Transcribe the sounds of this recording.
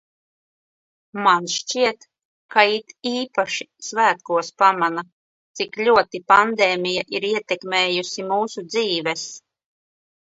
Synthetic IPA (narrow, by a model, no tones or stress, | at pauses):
manʃt͡ʃiɛt̪ | kait̪iːpaʃi̥svæːt̪kuɔspamana | t̪siklʲuɔt̪ipand̪eːmʲijaʔiɾiɛt̪ɛkmeːjusimuːsud̪ziːvɛs